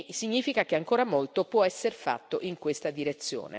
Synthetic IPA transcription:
siɲːiːfikakeaŋkoːɾamolt̪opwɔɛsːeɾfa̰t̪ːoʔiŋkwest̪ad̪iɾet̪sːjo̰ːnḛ

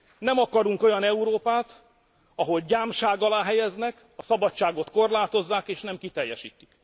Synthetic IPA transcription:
nɛmɒkɒɾuŋko̞jɒnɛuɾoːpaːt̪ | ɒɦo̞lɟaːmʃaːɡɒlaːɦɛjɛznɛk | ɒsɒbɒt͡ʃːaːɡo̞t̪ko̞rlaːt̪o̞zːaːkeːʃnɛmkit̪ɛjːɛʃḭːt̪i̥k

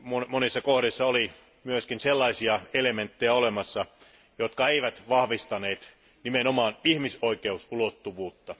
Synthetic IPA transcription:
momonisːɑkohɾisːɑoli | myøskinselːɑisiɑelement̪ːejæolemɑsːɑ | jot̪kɑeiʋæt̪ʋɑhʋist̪ɑneːt̪ | nimenomɑːnihmisoikeusulot̪ːuʋuːt̪ːɑ

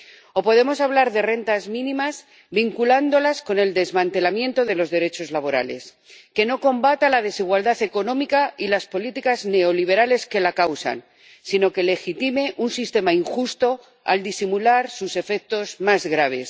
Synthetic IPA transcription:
o̞po̞ð̞e̞mo̞saβ̞laɾðe̞re̞nt̪azmĩnĩmaz | βiŋkuland̪o̞lasko̞ne̞ld̪e̞zmãnt̪elamjẽ̞nt̪o̞ð̞e̞lo̞zðe̞ɾe̞t͡ʃo̞zlaβo̞ɾa̰le̞̰s | ke̞no̞ko̞mbat̪alað̞e̞siɣwald̪aθe̞ko̞nõ̞mikailaspo̞lit̪ikazne̞o̞liβ̞e̞ɾale̞ske̞lakawsa̰n | sino̞ke̞le̞xit̪ime̞ʔunsist̪e̞maiŋxust̪o̞ | a̰ld̪isimulaɾsuse̞fe̞k̚t̪o̞zmazɣɾaβ̞e̞̰s

